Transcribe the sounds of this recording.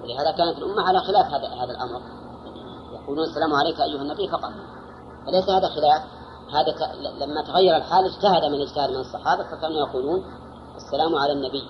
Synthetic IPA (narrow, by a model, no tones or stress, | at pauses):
wɪlɪhaːðakaːnat̪ɪlʔʊmːaʕalaxɪlaːfhadahaːðalʔa̰mɾ | jɑquːluːnasːalaːmʊʕalejkʔajːʊhanːabɪːfɑqɑt̪ˤ | falejsahaːðaxɪlaːf | haːðat̪lamːat̪aɣajːɑɾˤalħaːlɪd͡ʒt̪ahad̪mɪnɪd͡ʒt̪ahɪd̪mɪnɑsˤːɑħɑːbafakaːnujɑquːluːn | ʔasːalaːmʕalanːabɪː